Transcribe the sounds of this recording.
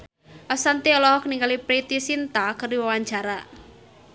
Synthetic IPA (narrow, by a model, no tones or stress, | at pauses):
ʔasant̪iɔlɔhɔkniŋɡalipɾit̪isint̪akərdiwawaɲd͡ʒaɾa